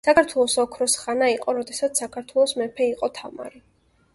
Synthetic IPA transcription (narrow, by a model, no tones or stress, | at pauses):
sakʰaɾt̪ʰwɛlˠɔsɔkʰɾɔsχanaiqʼɔɾɔd̪ɛsat̪ssakʰaɾt̪ʰwɛlˠɔsmɛpʰɛiqʼɔt̪ʰama̰ɾi